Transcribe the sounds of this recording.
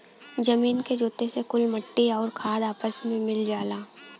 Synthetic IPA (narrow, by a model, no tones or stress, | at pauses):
d͡ʒɐmiːnked͡ʒoːt̪esekʊlmɐʈːiɔːɾkʰaːd̪aːpəsmẽmɪld͡ʒaːlaː